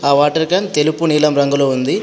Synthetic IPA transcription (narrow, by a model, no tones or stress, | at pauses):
aːʋaːʈɐɾkɐnt̪elupuniːlɐmɾɐŋɡuloːund̪i